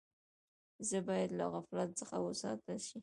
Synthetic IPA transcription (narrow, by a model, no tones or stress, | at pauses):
zəbɑjad̪laɣaflat̪̚t͡səxawəsɑ̰t̪əlʃi